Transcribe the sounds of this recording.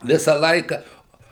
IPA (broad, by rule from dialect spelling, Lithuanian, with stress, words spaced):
ˈʋʲɪsɑː ˈlˠɐɪkɑː